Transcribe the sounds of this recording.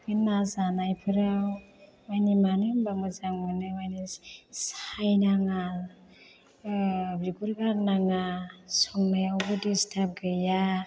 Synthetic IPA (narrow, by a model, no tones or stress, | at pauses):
bɯnazanajpʰɯɾaw | majnimanɯbaŋɯzaŋmɯnɯmajnisajnaŋa | bɾiɡuɾɡaɾnaŋasɔŋnajawɡɯdistʰap̚ɡɯja